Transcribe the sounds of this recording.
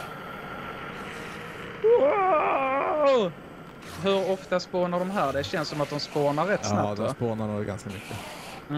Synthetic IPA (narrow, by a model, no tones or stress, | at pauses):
ɦɵɾɔft̪aspoːnaɖɔmɦæːɖɛɕɛnsːɔmat̪̚d̪ɔmspoːnaɾɛt̪ːsnad̪ɔsspoːnadɛɡa̰nskamʏkʰːə | m